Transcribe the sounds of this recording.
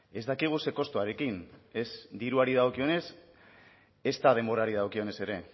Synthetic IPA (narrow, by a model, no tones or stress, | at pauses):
e̞zd̪akiɣ̞use̞ko̞st̪oaɾe̞kine̞sd̪iɾuaɾiðaokio̞ne̞s | e̞st̪aðe̞mbo̞ɾaɾið̞awkio̞ne̞se̞ɾe̞